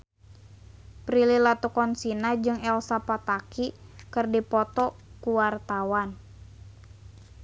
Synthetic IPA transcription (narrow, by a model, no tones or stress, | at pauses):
pɾililat̪ukɔnsinad͡ʒɨŋɛlsapat̪akikɨrdipɔt̪ɔkuwart̪awan